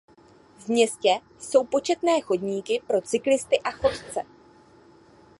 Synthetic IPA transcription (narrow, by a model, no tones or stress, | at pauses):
vmɲɛscɛ | so̞wpo̞t͡ʃɛt̪nɛːxo̞dɲiːkɪpɾo̞t͡sɪklɪst̪ɪʔaxo̞t̪t͡sɛ̰